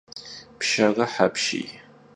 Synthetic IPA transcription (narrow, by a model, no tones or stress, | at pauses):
pʰʃaʁɐħapʰʃḭj